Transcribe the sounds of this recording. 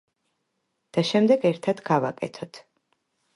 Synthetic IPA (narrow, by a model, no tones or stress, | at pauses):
d̪̥aʃɛmd̪ɛɡɛɾt̪ʰad̪ɡava̰kʼɛ̰t̪ʰɔt̪ʰ